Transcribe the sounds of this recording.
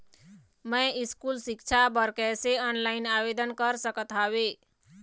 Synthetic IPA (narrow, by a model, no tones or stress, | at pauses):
məjiskulsɪkt͡ʃʰabəɾkɛseənlaɪnaʋed̪ənkəɾsəkət̪awe